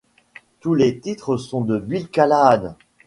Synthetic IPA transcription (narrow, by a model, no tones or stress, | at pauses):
t̪ulet̪it̪χəsɔ̃d̪əbilkalad̪